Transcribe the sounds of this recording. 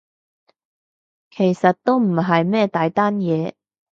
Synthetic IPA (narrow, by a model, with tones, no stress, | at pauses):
kʰe˨˩jsɐ˨t̚t̪o˥wm̩˨˩ɦɐ˨jmɛː˥˧t̪aː˨jt̪aː˥njɛː˨˧